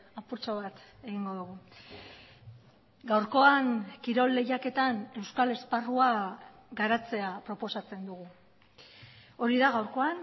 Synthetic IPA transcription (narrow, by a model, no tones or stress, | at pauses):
apuɾt͡soβ̞at̪e̞ɣiŋɡo̞ðuɣ̞u | ɡawɾko̞aŋkiɾo̞lːe̞jake̞t̪ane̞wskale̞sparua | ɡaɾat͡se̞apɾo̞po̞sat͡se̞nd̪uɣ̞u | o̞ɾiðaɣawɾko̞an